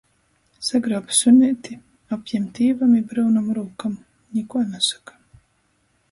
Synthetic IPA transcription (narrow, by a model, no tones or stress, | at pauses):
saɡɾapsunʲit̪i | apʲjɛmt̪iːvamibɾɨwnamɾuːkam | ɲʲikuɔnasḁkḁ